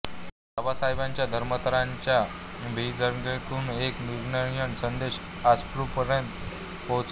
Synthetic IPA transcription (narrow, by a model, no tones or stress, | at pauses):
d̪əʋasajbaɲt͡ɕjad̪ʱəɾmət̪əɾaɲt͡ɕja | bʱid͡zəɾɡekuːnekniɾɳəjəɳsənd̪eɕ | aspɾupəɾent̪ | pot͡s